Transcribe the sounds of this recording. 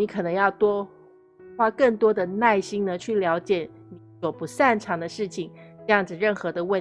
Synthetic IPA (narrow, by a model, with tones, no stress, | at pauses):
ni˧˥kʰɤ˨˩nɤ˧˥ŋjɑ˥˩ʊt̪wɔ˥ | xwa˥kɤ˥˩ŋt̪wɔ˥d̪ə˨na˥˩ɪɕi˥ŋnə˨t͡ɕʰy˥˩ljɑ˧˥ʊt͡ɕjɛ˨˩˦ | ni˧˥swɔ˨˩pu˧˥sa˥˩nʈ͡ʂʰɑ˧˥ŋd̪ə˧ʂɻ̩˥˩t͡ɕʰi˨˩˦ŋʈ͡ʂɤ˥˧jɑ˥˩ŋd͡zɹ̩˨˩ɻə˥˩nxɤ˧˥d̪ə˧wə˥˩